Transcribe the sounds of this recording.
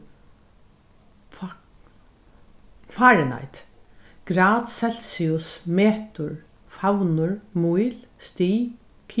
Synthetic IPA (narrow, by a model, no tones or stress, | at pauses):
faːɾɪna̰jt̪ɡ̥ɾaːt̪sɛl̥siʊsmeːt̪ʊɹ | fawnʊɹmujlst̪iː | kʰː